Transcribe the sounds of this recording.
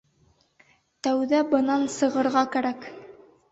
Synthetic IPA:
t̪æwðæbɤ̆nɑnsɤ̆ʁɤ̆ɾʁɑkæɾæk

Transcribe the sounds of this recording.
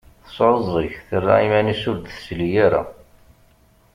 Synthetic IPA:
θəsˤɾəzˤiçθərːa̰imænisʊɾd̪θslijaɾa̰

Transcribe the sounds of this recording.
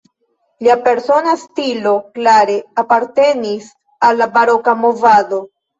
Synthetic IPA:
liape̞ɾso̞nastilo̞klaɾe̞apaɾte̞nis | alːabaɾo̞kamo̞vado̞

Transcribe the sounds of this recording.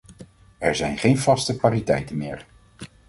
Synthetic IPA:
ɛɹzɛjnχejnvɑstəkʋaːɾitɛjtənmɪːɹ

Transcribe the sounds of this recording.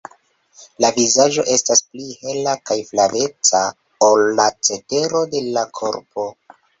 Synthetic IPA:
lavizaʒo̞̰ʔe̞stasplihe̞lakajflave̞t͡sa | olːat͡se̞te̞ɾo̞de̞lakʰo̞̰ɾpʰo̞

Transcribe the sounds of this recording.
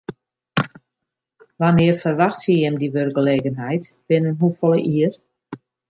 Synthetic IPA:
ʋanɪərfərʋaxtsijɛmdiʋørɡəleːɡənɦɛjtb̥ɪnənɦufɔlˠəʔiər

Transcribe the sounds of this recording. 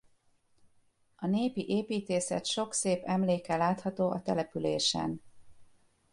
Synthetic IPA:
ɒneːpiʔeːpiːt̪eːsɛ̰t̪ʃo̞kseːpɛmleːkɛlaːt̪hɒt̪oːʔɒt̪ɛlɛpyleːʃɛ̰n

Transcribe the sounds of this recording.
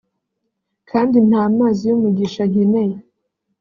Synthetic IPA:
kʰaːndin̥haːmaːzijumuɡiʃaɲine̞je

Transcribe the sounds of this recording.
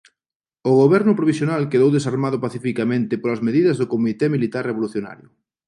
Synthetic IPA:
ʊɣoβɛɾnʊpɾoβisjonalkeðowðesaɾmaðʊpaθifikamẽnt̪ɪpolɐzmeðiðɐzðʊkomit̪ɛmilit̪areβoluθjona̰ɾjʊ

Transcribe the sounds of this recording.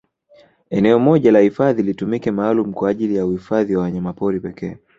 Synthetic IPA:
ɛnɛɔmɔʄalahifaðilitumikɛmaːlum̩kwaːʄilijauhifaðiwawaɲamapɔɾipɛkʰɛː

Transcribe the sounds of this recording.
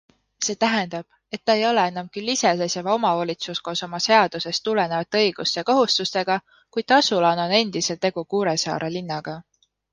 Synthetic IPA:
se̞ːt̪æɦend̪̥ɑb̥ | e̞t̪ːɑe̞jo̞le̞enːɑmkylːise̞sesevɑo̞mɑoːlʲit̪susko̞ːso̞mɑse̞ɑd̪̥use̞st̪ːule̞ne̞vɑt̪ːˑeɤ̞jɡ̥ust̪eɑkoɦust̪ust̪e̞ɡ̥ɑ | kujd̪ɑsulɑno̞ne̞nd̪̥ise̞lt̪e̞ɡ̥ukuːɾe̞sɑ̰ːɾelinːɑɡ̥ɑ

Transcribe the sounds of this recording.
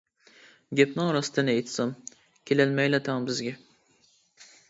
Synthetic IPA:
ɡʲɛpnɨŋɾɑst̪ʰɨnɪejt̪ʰsɑm | kʲʰelælmɛjlɛt̪ʰɑŋbɪzɡʲɛ

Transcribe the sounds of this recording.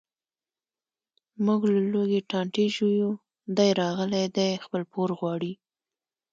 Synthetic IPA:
muɡlaloɡeʈɑɳʈeʒuju | d̪ajɾɑɣəlajd̪ajxpəlpoɾɣwɑɽi

